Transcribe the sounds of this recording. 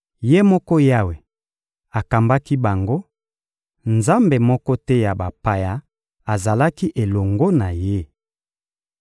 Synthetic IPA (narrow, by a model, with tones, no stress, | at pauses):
je˦mɔ˦kɔ˦ja˦we˨ | a˨ka˨mba˦ki˦ba˨ŋɡo˦ | nza˦mbe˨mɔ˦kɔ˦tɛ˦ja˨ba˨pa˨ja˨ | a˨za˨la˦ki˦ʔe˨lo˨ŋɡo˦na˨je˦